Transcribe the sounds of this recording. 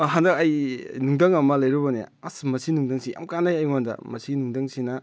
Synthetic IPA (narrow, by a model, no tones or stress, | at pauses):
ɦandɐkɐjnuŋdɐŋɐmɐlɐjɾubɐnḛa̰smɐsinuŋdaŋsija̰mkanajajwandɐ̰mɐsinuŋdaŋsinɐ